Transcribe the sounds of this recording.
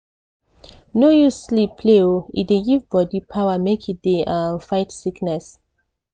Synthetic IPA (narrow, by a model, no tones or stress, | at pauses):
nojuslipʰleoḭdeɡivbɔdipʰawamekʰideʔafajtsiknɛs